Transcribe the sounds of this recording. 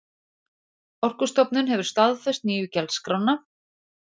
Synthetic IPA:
ɔr̥kʏst̪ɔpnʏnɦɛvʏɾ̥st̪aðfɛst̪̚niːjʏcɛlskɾawnːa

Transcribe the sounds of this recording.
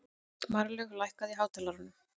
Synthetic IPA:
maɾlʏɣlajhkaðiɦaːwt̪ʰɛlaɾʏnːʏ

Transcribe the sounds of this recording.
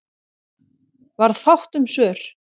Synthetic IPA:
vaɾðθawht̪ʏmsœːɾ̥

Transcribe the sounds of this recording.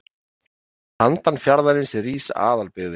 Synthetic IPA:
hant̪anfjaɾðaɾɪnsɛriːsaa̰ːðalpɪɣðɪ

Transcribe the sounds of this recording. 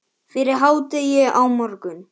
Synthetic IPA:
fɪɾɪɾ̥ɦaːwt̪ɪjɛawmɔɾkʏn

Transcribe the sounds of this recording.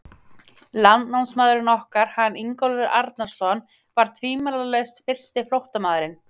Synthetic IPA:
lant̪nawnsmaːðʏɾɪɾnɔhkaɾ̥hanːiŋkɔlvɪɾaɾt̪naɾ̥sɔn | vaɾ̥t̪ʰviːmalalɛst̪fɪr̥st̪ɪflowht̪amaːðɾɪn

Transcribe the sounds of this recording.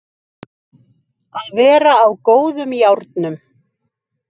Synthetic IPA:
aðvɛːɾaːwkoːwðʏmjawɾt̪nʏm

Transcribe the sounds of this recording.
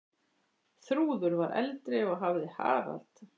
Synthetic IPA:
θɾuːðʏɾvaɾʔɛ̰lt̪ɾɪɔɣɦavðɪha̰ːɾa̰lt̪

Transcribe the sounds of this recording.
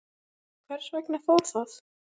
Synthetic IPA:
kʰvɛɾ̥svɛjknɪfɔlsaθ

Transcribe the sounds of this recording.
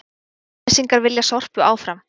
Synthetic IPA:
siŋkaɾvɪljasɔr̥pjʏʔaːwfɾam

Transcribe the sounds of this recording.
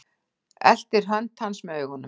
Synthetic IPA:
ɛ̰l̥t̪ɪɾ̥ɦœnt̪ʰansmœʏɣɔnːʏ

